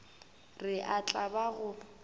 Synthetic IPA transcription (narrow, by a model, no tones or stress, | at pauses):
rɪʔat͡ɬʼabaɣʊ